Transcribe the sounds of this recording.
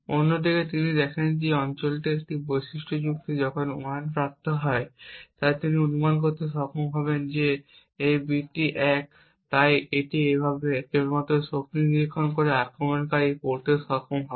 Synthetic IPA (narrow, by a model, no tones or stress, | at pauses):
onːod̪iket̪inid̪ɛkʰend͡ʑeɔnt͡ɕolʈeek̚ʈibojʃiʃʈʰod͡ʑuk̚t̪id͡ʑɔkʰonuanpɾap̚t̪oɦɔet̪ajt̪iniunumank̬oɾt̪eʃɔkʰomɦɔbend͡ʑe | ejbiʈːiʔɛk̚ | t̪ajeʈiebʱabekemɔt̪oʃok̚t̪iniɾikʰːonkoɾeakɾomenkaɾikoɾt̪eʃɔkʰomɦɔe